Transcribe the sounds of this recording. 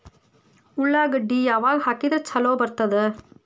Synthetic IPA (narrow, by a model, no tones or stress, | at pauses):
ʊɭːaːɡɯɖijɐʋaːlhɐkːid̪ɐɾt͡ʃɐloːbɐɾt̪ːɐðɯ